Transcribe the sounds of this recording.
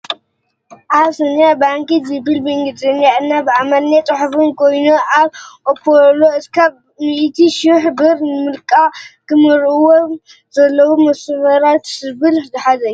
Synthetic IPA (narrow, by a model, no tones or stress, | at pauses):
ʔaβsɐnjabaŋkizɨbɨlbiŋɡɨd̪ʼɐnjaɨnːabɨamalːet͡s̪ʼɨħfɨnko̞jnuʔaβʔopʰːoɾloɨskʰaβ | miʔt̪ʰiʃuħbɨɾnɨmɨlkʼakɨmɨɾɨwo | zɐlːɐwumɐsɨβɐɾat̪sɨβɨlzɨħazɐju